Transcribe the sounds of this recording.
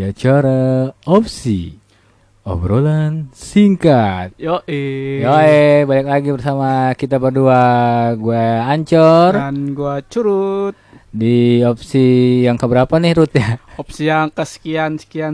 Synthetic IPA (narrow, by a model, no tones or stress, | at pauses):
iat͡ʃaɾaop̚sḭ | ɔ̰bɾolansiŋkat̪̚joʔejoebalak̚laɡibərsamakit̪abərduaɡuaːɲt͡ʃɔranɡuat͡ʃuɾut̪̚diopsijaŋkəbəɾapanɪhɾut̪jaɔpsijaŋkəsə̥kiansə̥kian